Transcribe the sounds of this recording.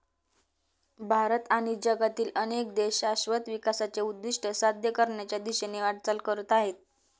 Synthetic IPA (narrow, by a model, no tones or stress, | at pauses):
bʱaɾət̪aɽ̃id͡ʑəɡat̪iːlənek̚d̪eɕaɕʋət̪ʋikasat͡seud̪ːiʂʈəsad̪ʱjəkəɾɳjat͡ɕjad̪iɕeneʋaɽt͡səlkəɾət̪aɦet̪̚